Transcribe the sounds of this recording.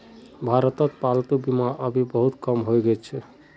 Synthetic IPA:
bʱaɾət̪ət̪palt̪ubimaʔəbʱibəɦut̪kəmɦojɡɛt͡ʃʰɛ

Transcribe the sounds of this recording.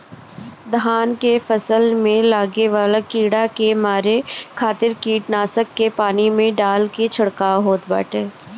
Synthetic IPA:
d̪ʱaːnkefəsəlmẽlaːɡeʋaːlakiːɽakemaːɾekʰaːt̪ɪɾkiːʈnaːsəkːepaːnimẽɖaːlket͡ʃʰɐɽkaɦoːt̪ba̰ːʈeː

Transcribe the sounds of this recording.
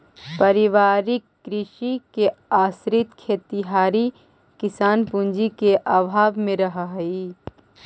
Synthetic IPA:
pɐɾɪʋaːɾɪkːɾɪʃikeaːsɾɪt̪kʰeːt̪ɪɦaːɾi | kɪsaːnpũnd͡ʒikeʔabʱaːbmẽɾɐɦaɦiː

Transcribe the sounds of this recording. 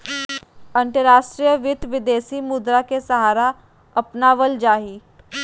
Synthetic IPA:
ə̃nt̪əɾaːʃʈɾijəʋɪt̪ʋɪd̪eːsimʊd̪ɾakesəɦaːɾa | ɐpnaʋəld͡ʒaːɦiː

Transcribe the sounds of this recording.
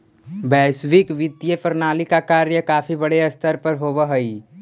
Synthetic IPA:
bɛːsʋɪkʋɪt̪jepəɾnaːlikakaːɾjəkaːfʰibɐɽeɐst̪ʰəɾpəɾɦoːʋəɦəi

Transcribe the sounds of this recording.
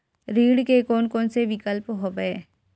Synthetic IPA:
ɾiːɽkekoːnkoːnseʋɪkəlpɦoːɡəeː

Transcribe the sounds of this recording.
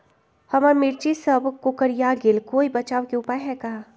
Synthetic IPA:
hɐmamɪɾt͡ʃisɐbkʊkəɾjaːɡɪlkoːibɐt͡ʃaːʋkeʊpaːjɦɛkɐɦa

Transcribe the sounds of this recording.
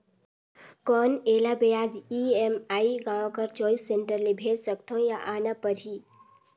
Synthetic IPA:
kɔːnelabejad͡ʒiemaːiɡãːʋãkəɾt͡ʃɔːisːeɳʈəɾlebʱed͡ʒsəkt̪ʰõjaʔaːnapəɾɦi

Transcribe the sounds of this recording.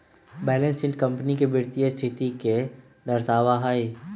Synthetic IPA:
bɛːlə̃nsɪ̃ɳʈkɐ̃mpnikebɪɾt̪iest̪ʰɪt̪ike | d̪ɐɾsaːʋaɦaːi

